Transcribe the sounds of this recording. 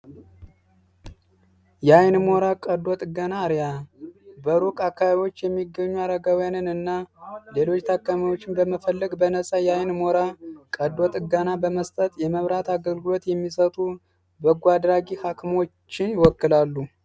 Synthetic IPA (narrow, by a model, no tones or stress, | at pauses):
jajnmoɾakʼəd̪ot̪ʼɨɡanaːɾja | bəɾukʼakːaβaβjo̞t͡ʃːjɛmːiɡːəɲːuaɾəɡawjanɨnɨnːale̞lo̞t͡ʃːt̪ʰakːamiwo̞t͡ʃːɪmbəməfəlːəɡbənəsʼajajnmoɾakʼəd̪ot̪ʼɨɡənabəməst̪ʼət̪ʼjɛməβɾat̪aɡəlɡɨlo̞t̪jɛmːisət̪ʼu | bəɡʷad̪ɾaɡihakʰɨmo̞t͡ʃːɪnjɪwɔkːɨlalːu